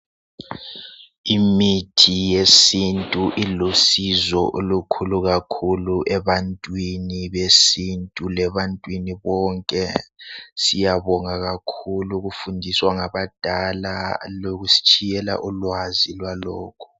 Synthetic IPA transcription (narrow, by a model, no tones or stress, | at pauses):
imitʰijesintʼuʔilosizɔʔolukʰuluɣakʰuluʔɛβantʼwiniβesintʼulɛβantʼwiniβɔːŋkʼɛ | sijaβɔŋaɣakʰuluɣufundʱiswaŋaβad̥ʱala̰loɣusi̥t͡ʃʼʰijɛla̰ʔulwazilwalɔːkʰu̥